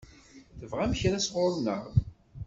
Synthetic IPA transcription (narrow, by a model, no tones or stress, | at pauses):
θəvʁæmçɾæsʁʊɾˤnəʁ